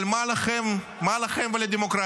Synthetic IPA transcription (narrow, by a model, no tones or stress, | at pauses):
lmalaχem | malaχemveled̪emokɾa